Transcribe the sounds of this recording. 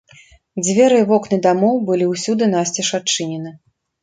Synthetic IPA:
d͡zʲvʲɛɾɨvɔknɨd̪amɔwbɨlʲiwsʲud̪ɨnasʲt͡sʲɛʂat͡ʂɨnʲɛnɨ

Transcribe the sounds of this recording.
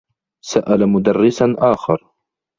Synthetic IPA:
saʔalamʊd̪arːɪsanʔaːxɑɾˤ

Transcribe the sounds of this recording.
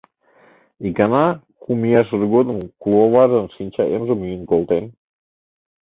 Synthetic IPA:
ikɑnɑkumijɑʃ̬ərɡod̪ə̆mkulˠoβɑʒənʃinʲt͡ɕɑʔemʒəmyjənkolˠt̪en

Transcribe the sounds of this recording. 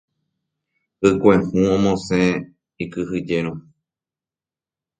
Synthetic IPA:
ɨkʷẽhũõmõsẽ | ikɨɦɨd͡ʒeɾ̃õ

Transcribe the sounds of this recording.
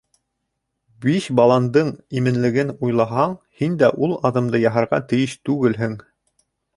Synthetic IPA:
biɕbɑlˠɑnd̪ɤɴimɘ̆nlɘ̆ɡɘnujlˠɑɦɑɴhind̪æʔulˠɑðɤ̆md̪ɤjɑɦɑ̆ɾʁɑ̰t̪ɘ̆jɘʃt̪ʉɡɘlɦɘŋ

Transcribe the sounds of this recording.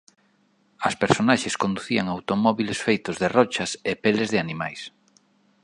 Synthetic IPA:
ɐspeɾsonaʃeskond̪uθiaŋawt̪omɔβilesfejt̪ozðerɔt͡ʃɐsepelezðeanima̰js

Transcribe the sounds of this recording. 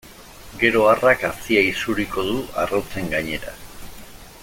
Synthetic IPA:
ɡe̞ɾo̞arakasiaisuɾiko̞ðuarowt͡se̞ŋɡaɲe̞ɾa̰

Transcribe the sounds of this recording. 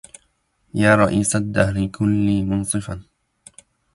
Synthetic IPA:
jaːɾˤɑʔiːsad̪ːahɾɪkʰʊlːiːmʊnsˤɨfan

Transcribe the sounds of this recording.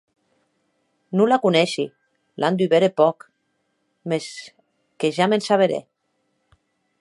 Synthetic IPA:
nulakunɛʃi | lʔand̪yβeɾepɔk | mes | keʒamensaβeɾḛ

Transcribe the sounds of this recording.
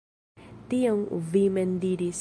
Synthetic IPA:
t̪ioŋvimend̪iɾis

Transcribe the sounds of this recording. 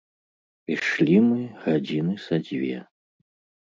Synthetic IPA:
piʂlʲimɨɣad͡zʲinɨsad͡zʲvʲɛ̰

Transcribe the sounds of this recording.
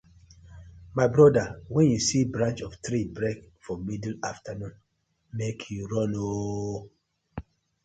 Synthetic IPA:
maɪbɹɔdawɛ̃njusibɹãnt͡ʃɔftɹibɹekfɔmidl̩aftanũn | mekʰjuɹɔ̃no

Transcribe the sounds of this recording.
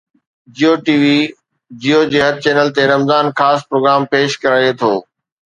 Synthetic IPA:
d͡ʑioʈiːʋi | d͡ʑiːoːd͡ʑeːɦɐt̪̚t͡ɕeːnəlt̪eɾɐmzaːnxaːspɾoːɡɾaːmpeːʃkɐɾaːjet̪ʰoː

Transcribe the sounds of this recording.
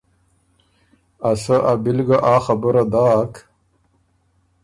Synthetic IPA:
asaʔabilɡaʔaːxabəɾad̪aːk

